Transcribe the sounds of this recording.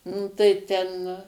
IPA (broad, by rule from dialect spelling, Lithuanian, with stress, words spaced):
ˈnʊ tɐɪ ˈtʲɛn